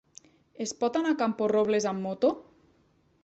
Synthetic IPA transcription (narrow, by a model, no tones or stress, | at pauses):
espɔt̪anakamporoβlezamːot̪o